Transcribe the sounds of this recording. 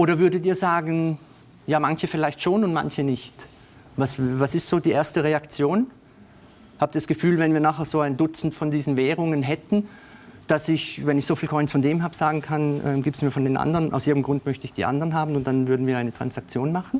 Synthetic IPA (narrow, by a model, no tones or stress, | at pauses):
ʔoːɾɐvʏɐdətiːɐzaːɡn̩ | jaːmançəfɪlaɪçtʃoːnʊntma̰nçənɪçt | vasvasɪstz̥oːdiːʔeːɐstəʁeakt͡sjoːn | haːb̚d̥sɡ̥əfyːlvɛnviːɐnaːχeːɐz̥oːaɪndʊt͡sn̩tfɔndiːzn̩vɛːʁ̞ʊŋənɦɛtn̩d̥asɪçvɛnɪçz̥oːfiːlkʰɔʏnsfɔndeːmɦaːb̥əz̥aːɡŋ̩kʰanʔɛ̰ːmɡiːptsmiːɐfɔndeːnʔa̰ndʁənʔaʊsʔiːɐdmɡʁʊntmœçtəɪçd̥ḭːʔa̰ndəʁənɦaːbn̩ʊnt̚d̥anvʏɐdn̩viːɐaɪnətʁ̥a̰nsak̚t͡sjoːnmaχn̩